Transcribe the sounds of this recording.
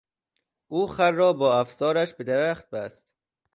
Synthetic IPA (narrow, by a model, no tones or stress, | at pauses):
ʔuːxæɾːɒːbɒːæfzɒːɾæʃbed̪æɾæχt̪̚bæst̪